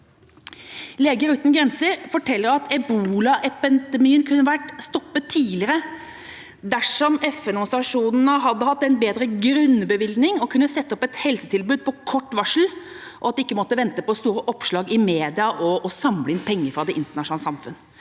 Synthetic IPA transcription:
leːɡəɾʉːt̪nɡɾɛnsəɾfɔʈʰɛlːəɾɑt̪ʰɛbuːlɑʔɛpɛd̪ɛmiːənkʰʉnːəʋæʈst̪ɔpːət̪ʰːiːlɪəɾə | d̪æʂɔmɛfɛnmsɑʂuːnn̩əɦɑd̪ːəhɑt̪ːɛnbeːd̪ɾəɡɾʉnbəʋɪlɡ̪nɪŋɔkʰʉnːəsɛt̪ːɔpɛt̪hɛlsət̪ʰɪlbʉːd̪̚pʰɔkʰɔʈːʋɑʂl̩ | ʔɔɑt̪̚d̪ɛɪkːəmɔt̪ːəʋɛnt̪əpɔst̪uːɾəʔɔpʂɭɑːɡɪmeːd̪ɪɑʔɔːsɑmləɪnpʰɛŋːəfɾɑd̪ɛʔɪnt̪əɳɑʃʊnɑlsɑmfʉ̰nː

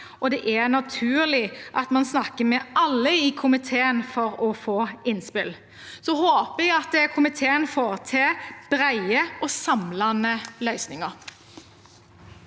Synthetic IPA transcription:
ɔd̪ɛʔæɾnɑt̪ʰʉːɾlɪʔɑt̪mɑnsnɑkəmɛʔɑlːəɪkʰʊmɪt̪ʰeːənfɔɾɔfoːɪnspɪl | sɔɦoːpəɛɡɑt̪̚d̪ɛkʰʊmɪt̪ʰeːənfoːʁt̪ʰɪːb̥ɾæɪəɔsɑmlɑnəlœʏsnɪŋəɾ

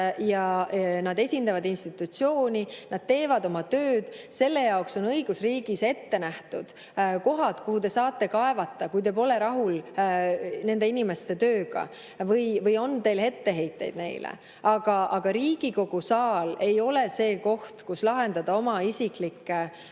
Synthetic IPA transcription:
jɑnɑd̪e̞sʲind̪ɑvɑd̪inst̪it̪ːˑut̪sio̞ːnʲinɑd̪̥̚t̪e̞ːvɑd̪o̞mɑt̪øːd̪̥ | se̞lːe̞jɑoksonɤjɡ̥usriːɡ̥ise̞t̪ːe̞næht̪ud̪̥ | ko̞ɦɑt̪kuhut̪e̞sɑːt̪ˑːe̞kɑevɑt̪ːˑɑkujt̪e̞p̬o̞le̞ɾɑɦul | ne̞nd̪e̞inime̞st̪e̞t̪ø̞ːɡ̥ɑ̰ | vɤjvɤjo̞nt̪e̞ːlhe̞t̪ːe̞ɦe̞jt̪ːˑe̞̰jd̪̥ne̞jlḛ | ɑɡ̥ɑʔɑɡ̥ɑɾiːɡ̥iko̞ɡ̥usɑːle̞jo̞le̞se̞ːko̞ht̪kuslɑɦe̞nd̪ɑd̪̥ɑomɑisiklikːˑe

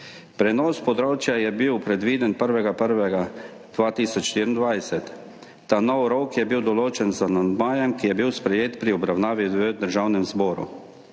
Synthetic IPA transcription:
pɾɛnɔːspɔd̪ɾoːt͡ʃjajɛbiwpɾɛd̪ʋiːd̪ɛnpəɾʋɛɡapəɾʋɛɡa | d̪̥ʋaːt̪iːsɔt͡ʃʃt̪iːɾind̪ʋajsɛt̪ː | aːnɔwɾokjɛbiwd̪ɔloːt͡ʃɛnzanand̪maːjɛmkijɛbiwspɾɛjeːt̪pɾiɔbɾawnaːʋiəd̪əɾʒaːwnɛmzbɔːɾṵ

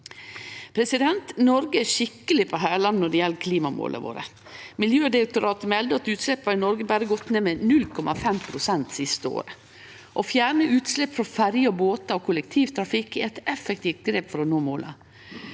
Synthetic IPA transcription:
pʰɾɛsɪd̪ɛnt̪nɔɾɡəæʂɪkːəlɪpʰɔɦæːɭɑnnɔɖɛjɛlːkʰliːmɑmo̰ːlʔə̰ʋo̰ːɾə̰ | mɪljøːd̪ɪək̚t̪ʊɾɑːt̪əmɛld̪əɑt̪ʉːt̪slɛpːɑɾnɔɾɡəbæɾəɡɔt̪neːmɛnʉlkʰɔmɑfɛmpʰɾʊsɛnt̪sɪst̪əo̰ːɾə | ʔɔfjæːɳəʔʉːt̪slɛpːfɾɔfæɾjɔboːt̪ɑɔkʰʊlɛkt̪ʰiːʋt̪ʰɾɑfɪkːɪɛt̪ɛfɛk̚t̪ʰiːft̪̚ɡɾeːpfɔɾɔnoːmoːlʔɑ̰

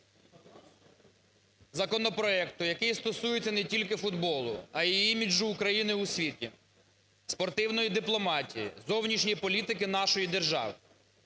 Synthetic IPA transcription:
zɐkɔnɔpɾɔɛkt̪ʊjɐkɪjst̪ɔsujet͡sʲɐnɛtʲilʲkɪfʊd̪bɔlˠʊ̰ɐjiijimʲiʒuːkɾɐjinɪʊsʲʋʲitʲḭ | spɔrt̪ɪwnɔjid̪ɪplˠɔmɑtʲijḭzɔwnʲiʃnʲipɔlʲit̪ɪkɪnɑʃɔjid̪erʒɑ̰ʋɪ

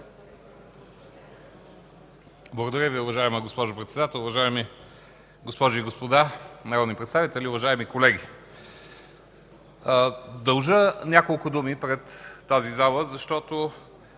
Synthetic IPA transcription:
blˠɐɡod̪ɐɾʲəviʊvɐʒaɛməɡospɔʒʊpɾɛt̪sɛd̪at̪ɛlˠʊvɐʒaɛmi | ɡospɔʒiiɡospod̪anɐɾɔd̪nipɾɛt̪st̪avit̪ɛlʲiʊvɐʒaɛmikolɛɡʲi | d̪ɐlˠʒənʲakolˠkʊd̪umipɾɛt̪ːazizalˠəzɐʃt̪ɔt̪o

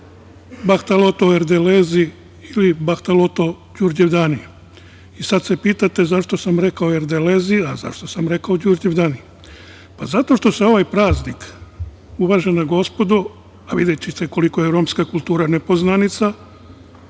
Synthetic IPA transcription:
baxt̪alo̞t̪oeɾd̪eleːzi | ilibaxt̪alo̞t̪o̞ | d͡ʒuɾd͡ʒeʋd̪ani | isad̪se̞piːt̪at̪e̞zaʃt̪osamɾe̞kaoe̞ɾd̪eleːziaza̰ʃt̪o̞samɾe̞kaod͡ʒuɾd͡ʒeʋd̪aːni | pazat̪o̞ʃt̪o̞se̞o̞ʋajpɾaːznik | uʋaʒenaɡo̞spo̞d̪u | aʋid̪et͡ɕiseko̞liko̞jeɾo̞ːmskakulˠt̪uːɾanepo̞znanit̪sa

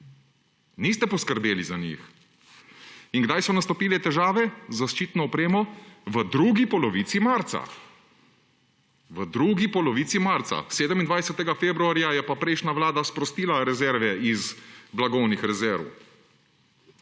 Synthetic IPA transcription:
niːst̪ɛpɔskəɾbeːlizanḭx | iŋɡd̪ajsɔnast̪ɔpiːlɛt̪ɛʒaːʋɛzaʃt͡ʃiːt̪nɔɔpɾeːmɔʋəd̪ɾuːɡipɔlɔʋiːt̪simaɾt̪sa̰ | ʋəd̪ɾuːɡipɔlɔʋiːt̪simaɾt̪sa̰seːd̪əmind̪ʋajsɛt̪ɛɡafebɾuaːɾjajɛpapɾɛjʃnaʋlaːd̪aspɾɔst̪iːlaɾɛzɛɾʋɛizblaɡɔwnixɾɛzɛɾ̰w

